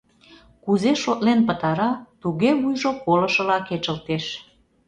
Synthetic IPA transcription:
kuzeʃot̪lenpət̪ɑɾɑt̪uɣeβujʒopolə̆ʃə̆lɑket͡ʃə̆lt̪eʃ

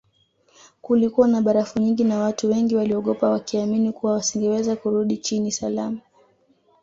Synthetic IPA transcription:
kulikuwanaɓaɾafuɲiŋɡinawatuwɛŋɡiwaliɔɠɔpawakiaminikuwawasiŋɡɛwɛzakuɾuɗit͡ʃinisalama

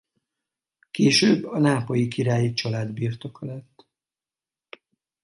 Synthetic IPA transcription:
keːʃøːbːɒnaːpo̞jikiɾaːjit͡ʃɒlaːd̪biːrt̪o̞kɒlɛt̪ː

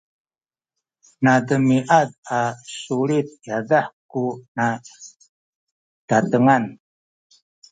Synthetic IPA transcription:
nad̪əmiʔad̪asuɾit̪̚jadahkuna | d̥at̪əŋan

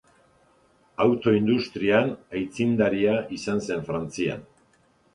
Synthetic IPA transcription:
awt̪o̞ind̪ust̪ɾianajt͡sind̪aɾiaʔisanse̞ɱfɾant͡sia̰n

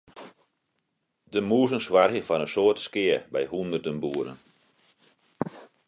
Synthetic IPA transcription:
dəmuəzənswarɣjəfɔnənsoːtskɪəbɛjhundərdənbuəɾə̰n

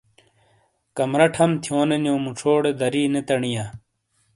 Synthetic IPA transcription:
kɐmɾɐʈʰɐmt̪ʰjoːnenjoːmuʈ͡ʂʰoːɽed̪ɐɾiːnet̪ɐɳija

